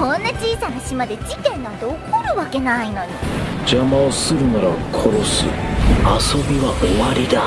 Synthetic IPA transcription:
õnːad͡ʑiːsanaɕimad̪e̞d͡ʑit̪ẽ̞nd̪ãnt̪eokoɾɯ̟βake̞naino̞ɲ̟id͡ʑamaosɨɾɯ̟naɾakʰo̞ɾo̞sɨ̰aso̞bʲiβaoβaɾʲid̪a

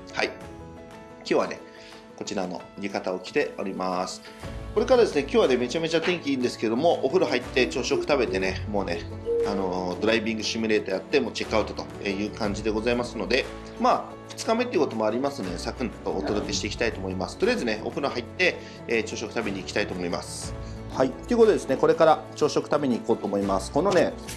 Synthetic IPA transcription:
hai | kʲo̞ːβane̞̰ | ko̞t͡ɕiɾano̞̰ɾʲikat̪ao̞kʲi̥t̪e̞o̞ɾʲimasɨ̥ | ko̞ɾe̞kaɾad̪e̞sɨne̞kʲo̞ːβane̞me̞t͡ɕame̞t͡ɕat̪ẽ̞ŋkʲiĩnd̪e̞sɨ̥keed̪o̞mo̞ʔoɸɯ̟ɾoɦait̪ːe̞t͡ɕo̞ːɕo̞kɯ̟̥t̪abe̞t̪e̞ne̞mo̞ːne̞ | ano̞d̪o̞ɾaibʲĩŋɡɯ̟ɕimɯ̟ɾe̞ːt̪o̞jat̪ːe̞mo̞ːt͡ɕe̞kɯ̟aɯ̟t̪o̞̥t̪oejɯ̟ːkãɲ̟d͡ʑid̪e̞ɡo̞zaimasɨno̞d̪e̞ | maː | ɸɯ̥t͡sɨ̥kame̞t̪eiɯ̟kot̪o̞moaɾʲimasɨnd̪oesakɯ̟̃nt̪ːo̞ːt̪o̞d̪o̞kʲe̞ɕi̥t̪e̞iki̥t̪ait̪oːmoimasɨ̥t̪o̞ɾeazɨne̞o̞̰ɸɯ̟ɾoɦait̪ːe̞ː | t͡ɕo̞ːɕo̞kɯ̟t̪abe̞ɲ̟iːkʲi̥t̪ait̪o̞ːmo̞ima̰sɨ̥ | hait̪ːeiɯ̟kot̪od̪esɨne̞ko̞ɾe̞kaɾat͡ɕo̞ːɕo̞kɯ̟̥t̪abe̞ɲ̟iːko̞ːt̪oːmo̞imasɨ̥kono̞ne̞

